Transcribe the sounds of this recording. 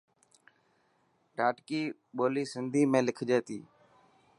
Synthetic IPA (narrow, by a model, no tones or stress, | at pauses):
ɖaːʈkiː | ɓoːliːsɪnd̪ʱiːmẽːlɪkʰd͡ʒeːt̪ḭː